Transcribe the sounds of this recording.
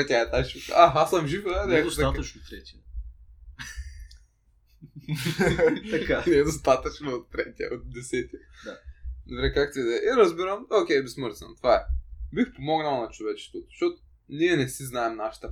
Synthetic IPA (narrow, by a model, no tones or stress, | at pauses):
at̪ʲaɛt̪at͡ʃukaxasɐmʒivnɛd̪sat̪t͡ʃnot̪ɾɛt̪ʲiɐ | kanɛd̪ost̪at̪ɐt͡ʃnoot̪ːɾɛt̪ʲiɐ̰ot̪̚d̪ɛsɛt̪ʲiɐd̪ad̪obɾɛkakt̪id̪ɛʔiɾɐzbiɾəmokʲɛjbɛsməɾzɐ̰mt̪ovaɛbixpomɔɡnɐlˠnɐt͡ʃovɛt͡ʃɛ̥st̪vot̪o̥ʃɔt̪o̥ | niɛnɛsiznaɛmnaʃɐ̥t̪ɐ